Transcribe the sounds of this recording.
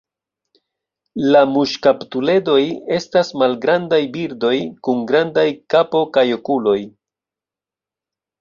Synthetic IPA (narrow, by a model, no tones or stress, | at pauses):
lamuʃkaptule̞do̞je̞stasmalɡɾandajbiɾdo̞jkuŋɡɾandajkapo̞kajo̞kulo̞j